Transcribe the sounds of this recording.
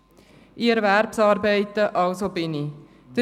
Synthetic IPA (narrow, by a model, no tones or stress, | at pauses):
ʔiɛɾvæɾpsɑːɾbɛɪtːəʔɑwsobɪni | d̪̥ə